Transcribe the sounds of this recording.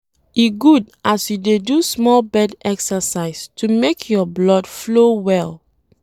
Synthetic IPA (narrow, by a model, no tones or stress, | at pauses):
iɡud | asjudedusmɔlbɛdɛksəsaɪstʰumekʰjɔblɔdflowɛl